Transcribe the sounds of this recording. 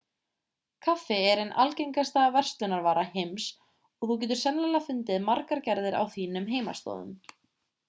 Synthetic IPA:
kʰafɪɛɾɪnʔa̰lcejŋkast̪avɛr̥st̪ʏnaɾvaːɾahems | ɔɣθuc̬ɛːt̪ʏ̥sɛmlɛlafʏnt̪ɪðmaɾkaɾcɛɾðɪɾa̰wθiːnʏmɦeːjma̰st̪ɔ̰ːðʏ̰m

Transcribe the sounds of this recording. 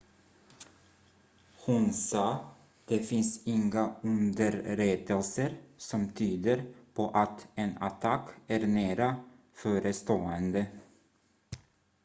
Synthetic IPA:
hʊnsɑː | d̪̥ɛfɪnsɪŋaɵnd̪əɾɾeːd̪əlsəɾsɔmt̪ʰyːd̪əɾpʰɔʔat̪ɛna̰t̪ʰakːæɾnæːɾa | fœːɾəst̪oːɛnd̪ə

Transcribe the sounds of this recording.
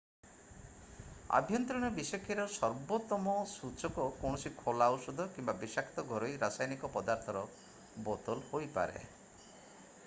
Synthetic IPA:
a̰bʱjɔnt̪ɾɔɽ̃ɔbisɔkʰːiɾɔsɔɾbot̪ɔmɔsut͡ʃɔkɔkɔwɳɔsikʰɔlawsud̪ʱɔkimbabisakʰt̪ɔɡʱɔɾɔjɾasajnikɔpɔd̪aɾt̪ʰɔɾɔ | bɔt̪ɔlhojpa̰ɾḛ

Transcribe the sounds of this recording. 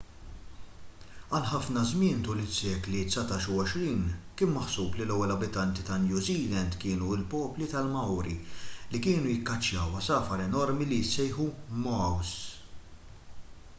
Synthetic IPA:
ɐlħɐfnɐzmɪːnt̪uːlɪsjɛːklit̪sɐt̪ɐːʃuwɔʃɾiːnkɪːnmɐħsuːblilɛwːɛlɐbɪt̪ɐnt̪it̪ɐnjuːziːlɛnd̪kɪːnuɪlpɔːplit̪ɐlmɐwɾilikɪːnujɪkːɐt͡ʃːjɐwɐsɐːfɐɾɛnɔɾmilijɪsːɛjħumɔws

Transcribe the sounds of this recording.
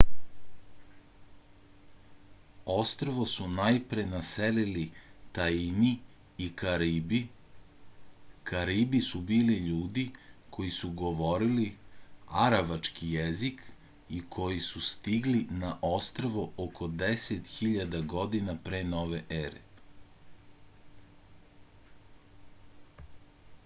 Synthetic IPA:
o̞st̪ɾoʋosunajpɾenaselilit̪aini | ikaɾibi | kʰaɾibisubiːliʎuːd̪ikʰo̞jisuɡo̞ʋo̞ɾiliaɾaʋat͡ʃkijezik | ikʰo̞jisust̪iɡlinaʔo̞st̪ɾaʋookʰo̞d̪eset̪xiʎad̪aɡo̞d̪inapɾeːno̞ːʋe̞ʔeɾḛ

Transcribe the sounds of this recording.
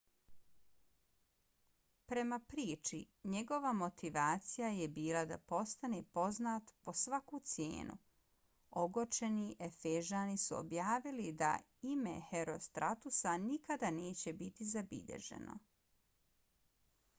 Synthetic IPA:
pɾe̞mapɾiːt͡ʃi | ɲe̞ɡo̞ʋamo̞t̪iʋaːt̪sijajebiːlˠad̪a̰po̞st̪ane̞po̞znaːt̪po̞sʋakut̪sjḛːnṵ | oɡot͡ʃe̞niʔe̞feʒaːnisuo̰bjaːʋilid̪a̰ | ime̞̰heɾo̞st̪ɾat̪usanikad̪ane̞ːt͡ɕe̞bit̪izabḭʎḛʒe̞̰no̞̰

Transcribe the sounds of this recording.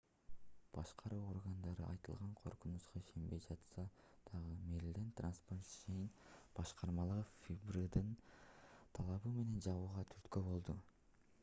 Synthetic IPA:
b̥ɑʃqɑɾuːo̞rɡand̪ɑɾɯ̰ʔɑ̰jt̪ɯ̰lˠʁɑɴqʰo̞ɾqunusqɑiʃe̞mbe̞jd͡ʒɑt̪sɑ | d̪̥ɑʁɯmeɾlʲd̪ent̪ransport̪ʃejinb̥ɑʃqʰɑɾmɑlˠɯʁɯfʲibrɨd̪ɯn | t̪ʰɑlˠɑβɯme̞ne̞nd͡ʒɑβuːʁɑt̪ʰyɾt̪købo̞lˠd̪u

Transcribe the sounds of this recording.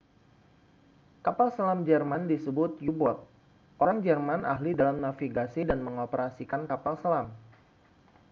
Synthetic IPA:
kapalsalamd͡ʒərmandisəbʊt̪̚jubɔt̪̚ | oɾaŋd͡ʒərmanʔa̰hlidalamnafiɡasidanməŋopəɾasikankapalsalam

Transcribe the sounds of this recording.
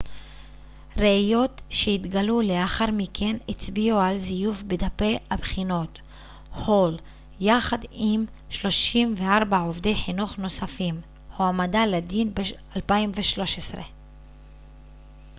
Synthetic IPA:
ʁeajo̞tʃeit̪ɡalule̞aχaʁmikʰe̞nit͡sbiualzijuvbed̪ape̞abχino̞t | ho̞l | jaχad̪im | ʃlo̞ʃimveaʁbaovde̞jħinuχno̞safim | hoamadaled̪inbealpaimveʃlo̞ʃesʁḛ

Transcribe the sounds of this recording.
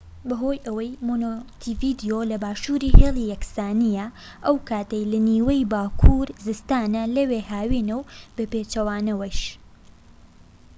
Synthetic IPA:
bɐɦo̞ːjʔɐwɐjmonot̪ʰivid̪ijolɐbaːʃuːɾiːheːlˠijɐksaːnijɐ | ʔɐwkaːt̪ɐjlɐniːwɐjbaːkʰuɾzɨst̪aːnɐlɐweːhaːwinɐwb̥ɐpeːt͡ʃɐwaːnɐwɐjʃ

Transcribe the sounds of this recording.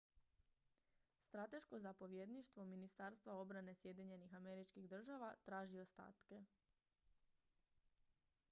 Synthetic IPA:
st̪ɾat̪e̞ʃko̞zapo̞ʋjed̪niʃt̪ʋo̞minist̪aɾst̪ʋao̞bɾane̞sje̞d̪iɲe̞nixame̞ɾit͡ʃkiɣd̪r̩ʒaʋat̪ɾaːʒio̞st̪a̰ːt̪ke̞

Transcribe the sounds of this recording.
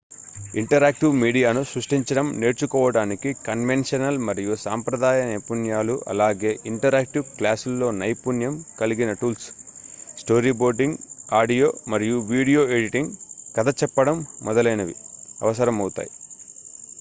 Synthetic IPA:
iɳʈɐɾaːk̚ʈiʋmiːɖijaːnusɾuʂʈiɲt͡ʃɐɽɐmne̞ːɾt͡ʃukɔːʋɐɽaːnikikɐnʋenʂɐnɐlmɐɾijusaːmpɾɐd̪aːjɐnɐjpunjaːluʔɐ̰laːɡe̞ːʔiɳʈɐɾaːk̚ʈiʋklaːsulːo̞ːnɐjpunjɐmkɐliɡinɐʈuːls | sʈo̞ːɾiːboːɾɖiŋɡaːɖijo̞ːmɐɾijuʋiːɽijo̞ːeɖiʈiŋɡkɐd̪ɐt͡ʃɛpːɐɽɐmːɔd̪ɐlɐjnɐʋḭɐ̰ʋɐsɐɾɐmɐwt̪a̰ːji

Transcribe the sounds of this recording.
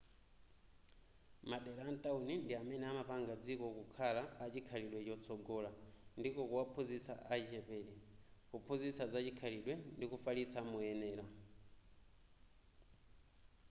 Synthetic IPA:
maɗɛɾantaunindiamɛnɛamapaŋɡad͡zikɔkukʰalaːt͡ʃikʰaliɗwɛt͡ʃɔt͡sʰɔɡɔːlandikɔkuwapʰunzisa̰ʔat͡ʃit͡ʃɛpɛːlɛkupʰuzisazat͡ʃikʰaliɗwɛndikufalisamujɛnɛːla

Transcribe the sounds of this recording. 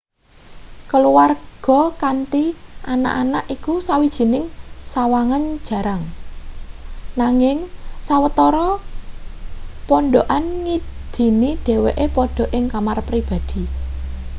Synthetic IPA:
kəluwarɡ̥ɔ̤kant̪iʔana̰ʔanaʔikusawid̥ʒ̥i̤nɪŋsawaŋan̥ʒ̥ä̤ɾaŋ | naŋɪŋsawət̪ɔɾɔ | pɔnɖoʔanŋid̪̥i̤niɖ̥ɛ̤weʔepɔɖ̥ɔ̤ʔɪŋkamarpɾib̥a̤d̪̥i̤

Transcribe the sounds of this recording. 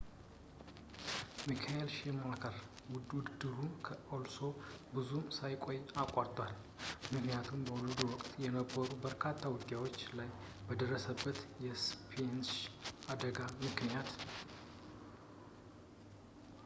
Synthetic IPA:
mikʰaelʃemakʰəɾ | wʊd̪ud̪d̪ɨɾukʰəʔolso̞bɨzumsajkʼo̞jakʼːaɾt̪ʼwal | mɨknijat̪ʰumbəwulɨd̪uwɔkʼt̪ʼjɛnəbːəɾubəɾkʰat̪ʰːawʊd̪ːjawo̞t͡ʃːlaj | bəd̪ərːəsəbːət̪jɛspʰensad̪əɡamɨknijat̪

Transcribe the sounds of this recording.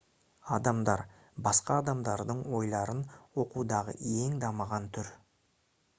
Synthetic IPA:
ɑd̪ɑmd̪ɑɾ | bɑsqɑːd̪ɑmd̪ɑɾd̪əɴwo̞jlˠɑɾənwo̞qud̪ɑʁə̰e̞ŋd̪ɑməʁɑnt̪ʰʏɾ

